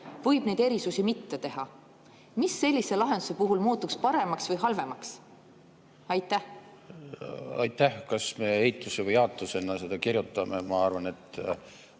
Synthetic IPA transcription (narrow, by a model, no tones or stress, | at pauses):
vɤ̞jb̥ne̞jd̪e̞ɾisusimit̪ːe̞t̪e̞ɦɑ | misːe̞lʲːise̞lɑɦe̞nd̪̥use̞puɦulmuːt̪ːukspɑɾe̞mɑksvɤjɦɑlve̞mɑks | ɑjt̪ˑːæh | ɑ̰jt̪ːˑæhkɑsmeejt̪ːˑusevɯjɑːt̪lusenːɑse̞d̪̥ɑkirjut̪ːˑɑmemɑɑrvɑne̞t̪ːˑ